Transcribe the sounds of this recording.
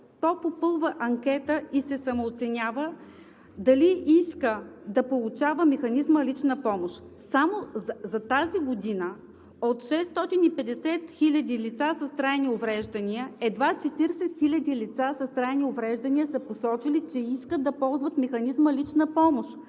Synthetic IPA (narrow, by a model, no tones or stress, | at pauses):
t̪ɔpopɤlˠvəʔɐŋkʲɛt̪əisɛsɐmoːt̪sɛnʲavə | d̪ɐliʔiskəd̪ɐpolˠʊt͡ʃavəmɛxɐnizməlit͡ʃnəpɔmoʃ | samozɐt̪aziɡod̪inə | ot̪ʃɛst̪ɔt̪inipɛd̪ɛsɛt̪xilʲɐd̪ilit̪sasɐst̪ɾaɛniovɾɛʒd̪ɐnʲiəɛd̪vat͡ʃɛt̪iɾsɛt̪xilʲɐd̪ilit̪sasɐst̪ɾajniovɾɛʒd̪ɐniəsəposɔt͡ʃilit͡ʃɛiskəd̪ɐpɔlˠzvət̪mɛxɐnizməlit͡ʃnəpɔmoʃ